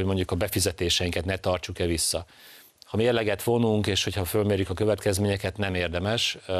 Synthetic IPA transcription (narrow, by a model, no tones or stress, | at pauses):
mo̞ɲɟukɒbɛfizɛt̪eːʃɛjiŋkɛt̪nɛt̪ɒrt͡ʃukɛvisːɒ | hɒmeːrlɛɡɛt̪ʋo̞nuŋkeːʃho̞chɒfølmeːɾjykɒkø̞vɛt̪kɛzmeːɲɛkɛt̪nɛmeːrd̪ɛmɛʃ